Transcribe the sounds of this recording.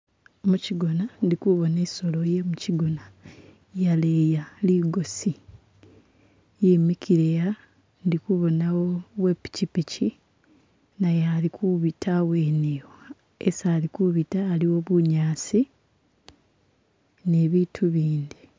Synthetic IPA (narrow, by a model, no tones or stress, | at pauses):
muciɡo̞nandikuβo̞neso̞lo̞je̞muciɡo̞na | jaleːjaliɡo̞si | jeːmikʰiɾeja | ndikuβo̞nawowe̞ːpi̥cipici | najalikʰuβitʰaweːnewo | ḛsalikuβitaːliwo̞βuɲaːsi | ne̞ːβiːtʰuβiːnd̪i